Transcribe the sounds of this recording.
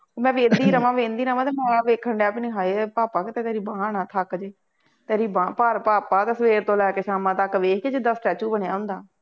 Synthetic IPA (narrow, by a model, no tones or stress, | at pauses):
oːmɛ̃ːʋẽːnd̪iːɾəmãːʋẽːnd̪iːɾəmãːt̪eːmɛ̃ːʋeːkʰːəɳɖepniːɦaːeːpaːpaːkɪt̪eːt̪eːɾiːbaːɳaːt̪ʰəkd͡ʒeː | t̪eːɾiːbaːpəɾpaːpaːt̪eːsəʋeːɾt̪õːlɛːkeːʃaːmãːt̪akːʋeːkʰkeːd͡ʒɪd̪aːsʈɛːt͡ʃuːbəɳjaːɦʊ̃nd̪aː